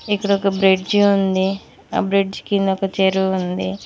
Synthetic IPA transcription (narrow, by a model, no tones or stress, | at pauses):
ikːɐɽɔkɐbɾeɖd͡ʒund̪i | a̰ːbɾeɖd͡ʒkind̪ɔkɐt͡ʃeɾuund̪i